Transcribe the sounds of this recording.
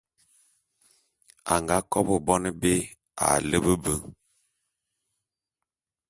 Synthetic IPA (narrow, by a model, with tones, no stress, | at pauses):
a̰˨ŋɡa˨˦kɔ˦bə˨bɔ˦nə˦be˦ | a̰˨lə˦bə˦bə˦